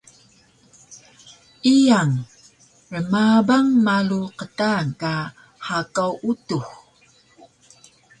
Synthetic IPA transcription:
ijaŋ | ɻəmabaŋmaluqətaka | hakawutux

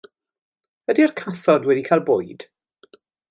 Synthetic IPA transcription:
vɛdiərkʰaθɔdwɛdikʰajlˠboːjd̥

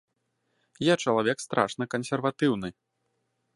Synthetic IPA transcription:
jat͡ʂɐlˠavʲɛkst̪ɾʔa̰ʂnɐkɐnsʲɛrvat̪ɨwnɨ

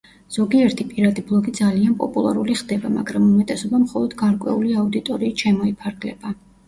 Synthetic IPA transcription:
z̥ɔɡiɛɾt̪ʰipʼiɾad̪iblˠɔɡid̪zalianpʼɔ̰pʼulˠa̰ɾuliχd̪ɛbama̰ɡɾamumɛt̪ʼɛsɔbamχɔlˠɔd̪ɡaɾkʼwɛ̰uliaud̪it̪ʼɔɾiːʃɛmɔipʰaɾɡlɛ̰ba

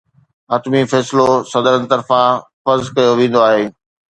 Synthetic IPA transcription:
ɐːt̪mifɛːslosɐd̪əɾənt̪ɐɾfãfɐzkɐjoʋẽːn̆d̪oaːɦeː

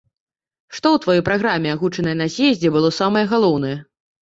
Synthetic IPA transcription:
ʂt̪ɔwt̪vajɔjpɾaɣɾamʲɛaɣut͡ʂɐnɐjɐnɐzʲjɛzʲd͡zʲɛbɨlˠɔsamɐjɛɣalˠɔwn̪ɐjɛ

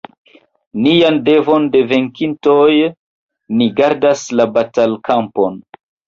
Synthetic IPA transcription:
niande̞vo̞nde̞ve̞ŋkintoj | niɡaɾdaslabatalkampon

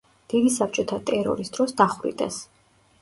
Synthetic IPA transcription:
d̪̥id̪isap̚ʰt͡ʃʼɔt̪ʰat̪ʼɛɾɔ̰ɾisd̪ɾɔsd̪aχɾḭt̪ʼɛ̰s

